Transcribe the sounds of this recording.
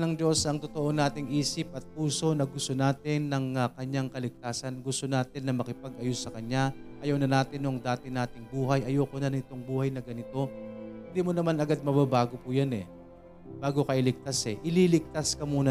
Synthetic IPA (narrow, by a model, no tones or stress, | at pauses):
nɐŋd͡ʒo̞sɐŋt̪ot̪oʔo̞naːt̪ɪŋʔiːsɪp̚ɐt̪̚puːso̞nɐɡʊst̪o̞naːt̪ɪnːɐŋɐkɐɲaŋkɐlɪk̚t̪aːsɐnɡʊst̪o̞naːt̪ɪnːɐmɐkɪpɐɡɐjosɐkɐɲaʔɐjɐwnɐnaːt̪ɪnoŋd̪aːt̪ɪnaːt̪ɪŋbuːɦɐjʔɐjoːkonɐnɪt̪o̞ŋbuːhɐjnɐɡɐnɪt̪o̞hɪnd̪iːmonɐmanɐɡad̪̚mɐβɐbaːɡo̞pʊjanɛ̰ | baːɡo̞kɐʔɪlɪk̚t̪asɛʔɪlilɪk̚t̪askɐmuːnɐ